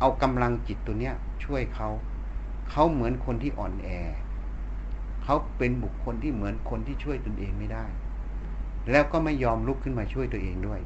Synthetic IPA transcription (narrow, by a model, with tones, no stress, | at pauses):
ʔa˧wka˧mla˧ŋt͡ɕi˨˩t̪ːu˧əni˦˥ɐ | t͡ɕʰu˥˩əjkʰa˦˥w | kʰa˦˥wmɯ˩˦ənkʰo˧nt̪ʰiː˥˩ʔɔ̰ː˨˩nʔɛː˧ | kʰa˦˥wpe˧nbu˨˩kʰːo˧nt̪ʰiː˥˩mɯ˩˦ənkʰo˧nt̪ʰiː˥˩t͡ɕʰu˥˩əjt̪o˧nʔeː˧ŋma˥˩jdaː˥˩j | lɛː˦˥wkɔː˥˩ma˥˩jːɔː˧mlu˦˥kʰːɯ˥˩nmaː˧t͡ɕʰu˥˩əjt̪u˧əʔeː˧ŋdu˥˩əj